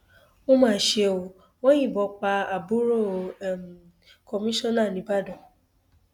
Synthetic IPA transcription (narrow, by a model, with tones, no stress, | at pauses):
o˦mãː˦˨˦ʃe˧o˨ | w̃ɔ̃˦jĩ˦˨bɔ˨˧k͡pa˧a˨bu˦ɾo˦˨m˨ | kɔ˧mĩ˦ʃɔ̃˦na˦˨nĩ˨˦ba˦˨dɔ̃˨